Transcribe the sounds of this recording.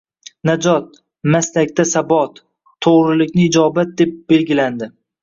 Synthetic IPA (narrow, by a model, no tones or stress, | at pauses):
nad͡ʒɒt̪̚ | maslakʲt̪asabɒt̪ʰː | oʁɾɪlɪkʲnɪːd͡ʒɒbat̪̚d̪e̞p̚b̥e̞lɡʲɪland̪ɪ